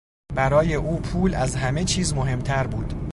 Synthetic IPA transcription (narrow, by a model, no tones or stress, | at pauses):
bæɾɒːje̞ʔuːpʰuːlæzɦæme̞t͡ʃʰiːzmo̞ɦe̞mt̪ʰæɾbuːd̪̥